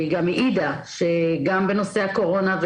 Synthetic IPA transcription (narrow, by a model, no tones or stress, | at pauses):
ɡamiʔid̪aʃeɡambeno̞seako̞ʁo̞nav